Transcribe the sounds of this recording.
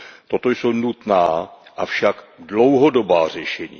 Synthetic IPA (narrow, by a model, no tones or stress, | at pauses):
t̪o̞t̪o̞jsownut̪naːʔafʃakdlo̞wɦodobaːr̝ɛʃɛɲḭː